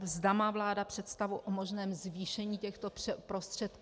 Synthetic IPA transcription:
zdamaːvlaːdapr̝̥ɛt̪st̪avuʔomo̞ʒnɛːmzviːʃɛɲiːcɛxt̪o̞pɛpɾo̞st̪r̝̥ɛt̪̚k

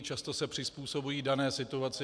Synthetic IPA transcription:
t͡ʃast̪o̞sɛpr̝̥ɪspuːso̞bujiːdanɛːsɪt̪uat͡sɪ

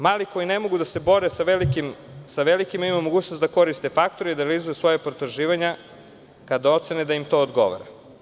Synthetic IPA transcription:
maːliko̞jine̞mo̞ɡud̪ase̞bo̞ɾesaʋelikim | saʋelikimaimamoɡuːt͡ʃnosd̪ako̞ɾist̪e̞fakt̪o̞ɾeid̪aɾelizujusʋo̞japɾot̪oɾʒiːʋaɲa | kad̪ao̞t̪sened̪aimt̪o̞ːd̪ɡo̞̰ʋa̰ɾa̰

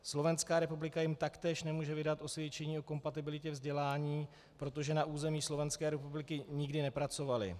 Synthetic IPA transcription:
slo̞vɛnskaːɾɛpublɪkajɪmt̪akt̪ɛːʃnɛmuːʒɛvɪdat̪ʔo̞svjɛt͡ʃɛɲiːo̞ko̞mpat̪ɪbɪlɪcɛvzɟɛlaːɲiː | pɾo̞t̪o̞ʒɛnaʔuːzɛmiːslo̞vɛnskɛːɾɛpublɪkɪɲɪɡdɪnɛpɾat͡so̞valɪ̰

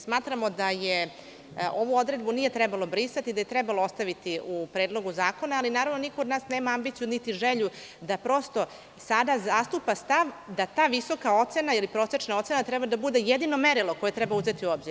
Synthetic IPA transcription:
smaːt̪ɾamo̞d̪aje | o̞ʋuo̞d̪ɾe̞d̪bunije̞t̪ɾɛbalˠo̞bɾisat̪iːd̪aje̞t̪ɾɛbaloost̪aʋit̪iʔupɾeːd̪lo̞ɡuzaːko̞naːlinaːɾaʋno̞nikood̪naːsne̞ːmaambit̪sijunit̪iʒeʎu | d̪apɾo̞st̪o̞ | sad̪azast̪upast̪aʋd̪at̪aːʋiso̞kao̞t̪se̞nailipɾo̞ːse̞t͡ʃnao̞t̪se̞nat̪ɾɛbad̪abud̪e̞jed̪ino̞meɾilˠokojet̪ɾɛbauze̞t̪iuoːbziɾ

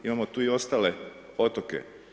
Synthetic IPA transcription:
imamot̪uːio̞st̪aːle | ot̪okḛ

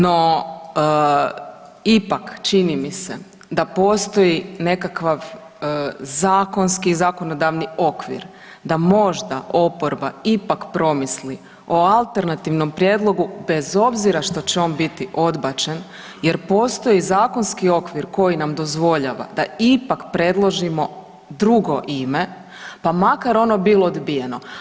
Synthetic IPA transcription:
no̞ | ipakt͡ʃinimise̞ | d̪apo̞ːst̪o̞jine̞kakʋaʋ | zaːko̞nskizaːko̞no̞d̪aʋnio̞kʋḭɾ | d̪amo̞ʒd̪aʔo̞po̞ɾbaipakpɾo̞misli | oalˠt̪e̞ɾnat̪iʋno̞mpɾje̞d̪lˠo̞ɡube̞zo̞bziɾaʃt̪o̞t͡ɕeo̞ːnbit̪iʔo̞d̪bat͡ʃe̞n | je̞ɾpo̞ːst̪o̞jizaːko̞nskio̞kʋiɾko̞jinamd̪o̞zʋo̞ʎaːʋa̰d̪aipakpɾe̞d̪lˠo̞ʒimo̞ | d̪ɾuɡo̞ʔime̞ | pamakaɾo̞no̞bilˠo̞ːd̪bije̞no̞

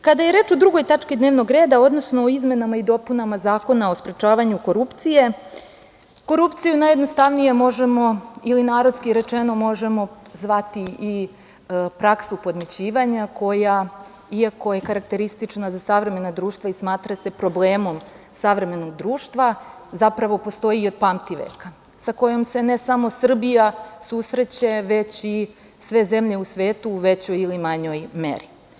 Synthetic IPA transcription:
kad̪ajeɾeːt͡ʃo̞d̪ɾuɡo̞jt̪at͡ʃkid̪neːʋno̞ɡɾe̞ːd̪ao̞d̪no̞snoːizme̞namaid̪o̞punamazaːko̞nao̞spɾe̞t͡ʃaːʋaɲuko̞ɾupt̪sije̞ | ko̞ɾupt̪sijunajed̪no̞st̪aʋnije̞mo̞ʒe̞mo̞ilinaːɾo̞t̪skiɾe̞t͡ʂeno̞mo̞ʒe̞mo̞ | zʋat̪ii | pɾaksupo̞d̪met͡ɕiːʋaɲako̞ja | iako̞je̞kaɾak̚t̪e̞ɾist̪it͡ʂnazasaʋɾe̞me̞nad̪ɾuːʃt̪ʋaismaːt̪ɾase̞pɾo̞bleːmo̞m | saʋɾe̞me̞no̞ɡd̪ɾuːʃt̪ʋa | zapɾaʋo̞po̞st̪o̞iːo̞d̪̚pamt̪iʋḛːka | sako̞jo̞mse̞ne̞samo̞sr̩bijasusɾe̞t͡ɕeʋe̞t͡ɕi | sʋe̞ze̞mʎe̞usʋeːt̪uːʋe̞t͡ɕo̞jilimaɲo̞jmḛɾi

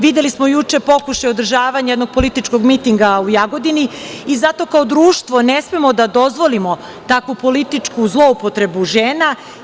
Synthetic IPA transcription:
ʋid̪je̞lismojut͡ʃe̞po̞kuʃajod̪ɾr̩ʒaːʋaɲjed̪noɡ̚po̞lit̪it͡ʃko̞ɡmit̪iŋɡaujaɡo̞d̪iniizat̪o̞kaod̪ɾuːʃt̪ʋo̞nesmemo̞d̪ad̪o̞zʋo̞limo̞ | t̪akʋupo̞lit̪it͡ʂkuzlˠo̞upo̞t̪ɾe̞buʒeːna

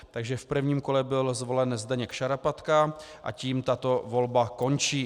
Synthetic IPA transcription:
t̪aɡʒɛfpr̩vɲiːmko̞lɛbɪlzvo̞lɛnzdaɲɛkʃaɾapat̪kaʔa̰ciːmt̪at̪o̞vo̞lbako̞nt͡ʃiː

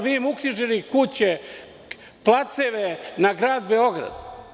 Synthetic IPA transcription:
ʋiːmukɾiʒilikut͡ɕe | plat̪seʋenaɡɾaːd̪̚beoɡɾa̰d̪

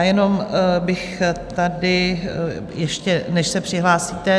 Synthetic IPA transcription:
jɛno̞mbɪxt̪adɪ | jɛʃcɛnɛʃsɛpr̥ɪɦlaːsiːt̪ɛ

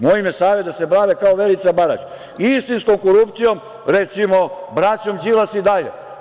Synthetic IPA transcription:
moimesaːʋed̪asebɾaːʋekaoʋe̞lit̪sabaɾa̰t͡ʃ | ist̪inskomkoɾupt̪sijo̞m | ɾet̪simo̞bɾat͡ɕomd͡ʒilasid̪aʎḛ

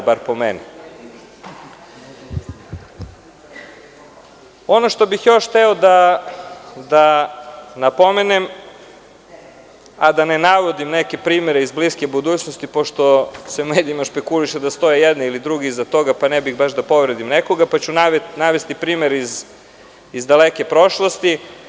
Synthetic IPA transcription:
baɾpomeni | o̞noʃt̪o̞bixjo̞ʃt̪ɛod̪a | d̪a | napo̞menem | ad̪anenaʋo̞d̪imneke̞pɾiːmeɾeizbliskebud̪uːt͡ɕnost̪ipo̞ʃt̪o̞semeːd̪iimaʃpe̞kuliʃed̪ast̪o̞jejɛd̪niilid̪ɾuɡizat̪o̞ɡapanɛbiɣbaʃd̪apo̞ʋɾed̪imneko̞ɡapat͡ɕunaʋet̪naʋest̪ipɾiːmeɾiz | izd̪aleke̞pɾo̞ʃlˠost̪i

